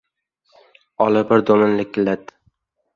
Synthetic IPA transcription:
ɒlˠɪbɪɾd̪omɪnlɪk̚ʲɪlat̪̚

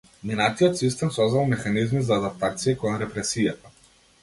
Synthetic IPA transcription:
minat̪ijɔt̪sist̪ɛmsɔzd̪alˠmɛxanizmizaːd̪ap̚t̪at̪sijɛkɔnɾɛpɾɛsijat̪a

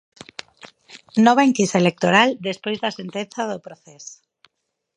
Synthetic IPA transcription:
nɔβaeŋkisaelek̚t̪oɾald̪espojzðɐsent̪enθaðopɾoθɛs

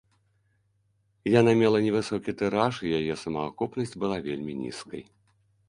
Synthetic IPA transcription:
janamʲɛlˠɐnʲɛvɨsɔkʲit̪ɛɾaʂijajɛsɐmɐakupnɐsʲt͡sʲbɨlˠavʲelʲmʲinʲḭskɐ̰j

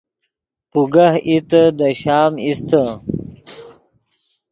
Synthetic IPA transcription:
puɡahit̪əd̪əɕaːmist̪ə

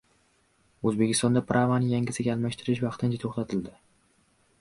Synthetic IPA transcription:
ɵzbekʲʰɪst̪ɒnd̪apɾʔavanɪjaŋɡʲɪsɪɡʲaːlˠmaʃt̪ʰɪɾɪʃvɑqt̪ʰɪnt͡ʃʰat̪ʰoχt̪ʰat̪ʰɪld̪ɪ

